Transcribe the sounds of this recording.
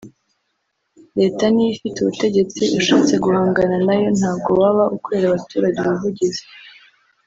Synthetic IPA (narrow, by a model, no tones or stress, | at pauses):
ɾe̞ːtanijifituβute̞ɟe̞t͡siʔeʃaːt͡se̞ɡuhaːŋɡananajo̞n̥haːbɡo̞waβaʔukeɾaβatuːɾaɟeβavuɟize̥